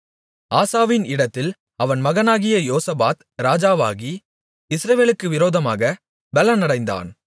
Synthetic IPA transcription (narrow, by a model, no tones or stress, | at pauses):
aːsaːʋɪnɪɽɐt̪ːɪl | ɐʋɐnmɐɣɐnaːɣɪjɐjoːsɐbaːt̪ | ɾaːd͡ʒaːʋa̰ːɣi | ɪsɾɐʋeːlɯkːɯʋɪɾoːðɐmaːɣɐ | bɛlɐnɐɽɐɪnd̪a̰ːn